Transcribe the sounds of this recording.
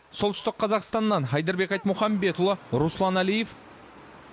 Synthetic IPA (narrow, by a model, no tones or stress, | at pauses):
solt̪ʏ̥st̪ɪqʰːɑzɑqst̪ɑnːɑnɦɑjd̪ɑɾbe̞kɑjt̪mʊχɑmbe̞t̪ʊlˠəɾuslˠɑnælijef